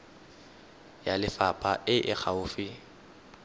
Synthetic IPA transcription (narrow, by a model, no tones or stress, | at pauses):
jalɪfapʼaʔɪʔɪk͡xʰaʊːfɪ